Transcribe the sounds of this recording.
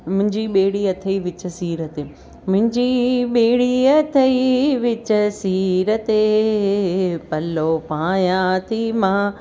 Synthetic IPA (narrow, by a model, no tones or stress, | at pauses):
mʊ̃ɦɪ̃ɲd͡ʑiːɓeːɽiːɐt̪ʰəiʋɪt͡ɕəsiːɾət̪eː | mʊ̃ɦɪ̃ɲd͡ʑiɓeːɽiɐt̪ʰəiʋɪt͡ɕəsiːɾət̪e | pɐlopãːjãt̪ʰimãː